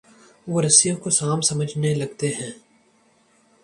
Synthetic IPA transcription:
ʋoɾɐsijõkosaːmsɐməd͡ʒʱnelɐɡt̪eɦɛ̃ː

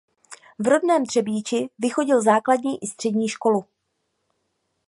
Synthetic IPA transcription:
vɾo̞dnɛːmt̪r̝̥ɛbiːt͡ʃɪvɪxo̞ɟɪlzaːkladɲiːʔɪst̪r̥ɛdɲiːʃko̞lu

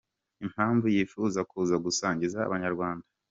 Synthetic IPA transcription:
im̥haːɱvujifuzakuzaɡusaːɲɟiza̰ːβaɲaɾɡwaːnda

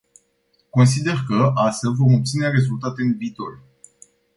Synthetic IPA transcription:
ko̞ns̬id̪e̞rkəʔasəvo̞mo̞p̚t̪sineaɾe̞zult̪at̪e̞ɨnvit̪ol

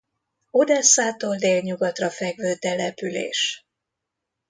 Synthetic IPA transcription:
o̞d̪ɛsːaːt̪oːld̪eːlɲuɡɒt̪rɒfɛɡvøːt̪ɛlɛpylḛːʃ

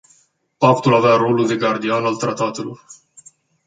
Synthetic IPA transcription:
pakt̪ulavearo̞lud̪e̞ɡard̪ianalt̪ɾat̪at̪elor

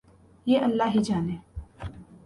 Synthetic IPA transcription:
jeːʔəlːaːɦiːd͡ʒaːneː

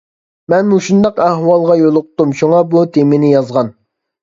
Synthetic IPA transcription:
mɛnmuʃund̪ɑqæhwɑlˠʁɑjolˠʊq̚t̪umʃuŋɑbut̪ʰemɪnɪjɑzʁɑn

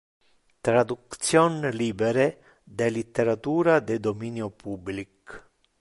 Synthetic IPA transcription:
t̪ɾad̪ukt̪t͡sjɔnlibɛɾɛ | d̪ɛlit̪ːeɾat̪uɾad̪ɛd̪ɔminjɔpublik

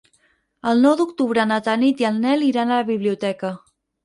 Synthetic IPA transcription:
əlˠnɔwd̪ukt̪uβ̞ɾənət̪anit̪iəlˠnɛliɾanələβiβliut̪ɛkə

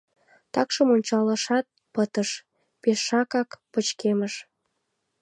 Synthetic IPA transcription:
t̪ɑkʃəmonʲt͡ɕɑləʃɑt̪̚pət̪əʃ | peʃːɑkɑkpət͡ɕkeməʃ

